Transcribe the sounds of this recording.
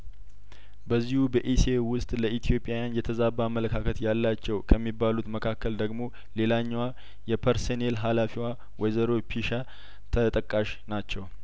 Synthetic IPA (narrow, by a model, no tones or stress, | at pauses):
bəzːihubəʔisewʊst̪ʼləʔit̪ʰijo̞pʼːjajanjɛt̪ʰəzabamːələkʰakʰət̪jalːat͡ʃːɛwkʰəmːibːalut̪məkʰakːəld̪əɡmo̞ | le̞laɲːwa | jɛpʰəɾsonelɦalafiwa | wɔjzəɾopʰiʃa | t̪ʰət̪ʼəkʼːaʃ | nat͡ʃːɛw